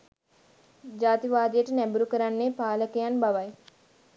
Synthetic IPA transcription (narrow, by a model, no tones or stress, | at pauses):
d͡ʒaːt̪iʋaːd̪ijəʈənæbuɾukəɾanːeːpaːləkəjanbaʋaj